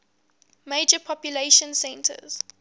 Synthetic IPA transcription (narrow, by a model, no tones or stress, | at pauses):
meɪd͡ʒəpʰɔpjuleɪʃə̃nsɛ̃ntʰə̰z̥